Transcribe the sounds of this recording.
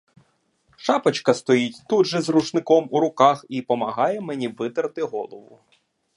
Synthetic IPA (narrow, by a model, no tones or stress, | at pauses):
ʃɑpɐt͡ʃkɐst̪ɔjitʲt̪ud̪ʒɛzrut͡ʃnɪkɔmuɾʊkɑxipɔmɐɦɑjɛmenʲiʋɪt̪ɐɾt̪ɪɦɔlˠɔʋʊ̰